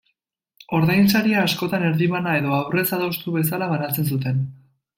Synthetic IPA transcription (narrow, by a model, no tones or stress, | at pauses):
o̞ɾðajnsaɾiaːsko̞t̪ane̞ɾðiβanae̞ðo̞awre̞saðowst̪uβe̞s̬alaβanat͡se̞ns̬ut̪e̞n